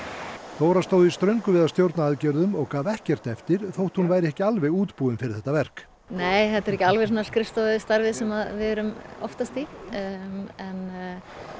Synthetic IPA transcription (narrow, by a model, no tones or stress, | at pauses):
θoːwɾast̪oːwðɪist̪ɾœɥŋkʏvɪðast̪jowɾt̪naaːðcɛɾðʏmɔɣkaːvɛhcɛr̥t̪ɛft̪ɪɾ̥θowht̪hunvaːjɾɛhcɪalvɛɣuːt̪puːðʏmfɪɾɪ̥ɾθɛht̪ːavɛr̥k | neːjθɛt̪ɛɾɛhcɪalvɛsanːḁskɾɪst̪ost̪aɾvɪsɛmaðvɪɛɾʏmɔ̰ft̪ast̪i | ɛn